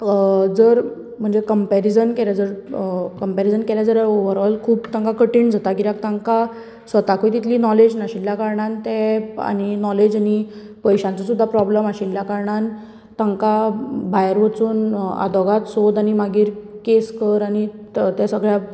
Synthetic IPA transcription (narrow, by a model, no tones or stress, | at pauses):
d͡zəɾ | m̤əɳd͡zekəmpɛɾid͡zənkeljad͡zəɾkəmpeɾid͡zənkeljad͡zəɾəɾoʋəɾɔlkʰuːpt̪ãŋkakəʈiɳd͡zʱat̪akiɾjak̚t̪ãŋka | sʋət̪akojt̪it̪liːnɔled͡ʑnaɕiljakaɾɳãnt̪ɛa̰ñinɔled͡ʑani | pəjɕãnt͡sasud̪ʱːapɾɔbləmaɕiljakaɾɳan | t̪aŋkabʱajəɾʋət͡suːna̰d̪ɔɡat̪sod̪añimaɡiːɾkeskəɾañit̪asəɡɭja